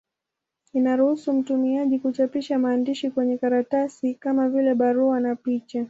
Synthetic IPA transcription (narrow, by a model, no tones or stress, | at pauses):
inaɾuhusum̩tumiaʄikut͡ʃapiʃamaːndiʃikwɛɲɛkaɾatasikamavilɛɓaɾuanapit͡ʃa